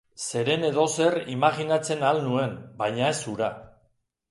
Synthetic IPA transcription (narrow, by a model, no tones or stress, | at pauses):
se̞ɾe̞ne̞ðo̞se̞rimaɣinat͡se̞nalnue̞mbajɲae̞suɾa